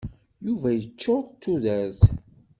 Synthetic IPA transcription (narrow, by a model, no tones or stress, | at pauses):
juvæjət͡ʃːoɾt̪ːuðæθ